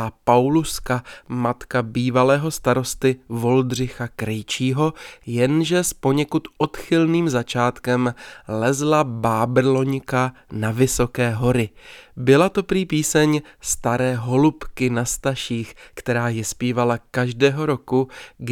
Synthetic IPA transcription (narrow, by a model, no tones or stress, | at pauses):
pawluskamat̪kabiːvalɛːɦo̞st̪aɾo̞st̪ɪvo̞ld̪r̝ɪxakɾɛjt͡ʃiːɦo̞jɛnʒɛspo̞ɲɛkut̪ʔo̞t̪xɪlniːmzat͡ʃaːt̪kɛmlɛzlabaːbrlo̞ɲkanavɪso̞kɛːɦo̞ɾɪbɪlat̪o̞pɾiːpiːsɛɲst̪aɾɛːɦo̞lupkɪnast̪aʃiːxkt̪ɛɾaːjɛspiːvalakaʒdɛːɦo̞ɾo̞kuɡ